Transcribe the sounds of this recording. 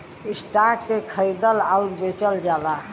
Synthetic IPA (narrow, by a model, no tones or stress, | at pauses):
isʈakːekʰəɾid̪əlauɾbet͡ʃəld͡ʒala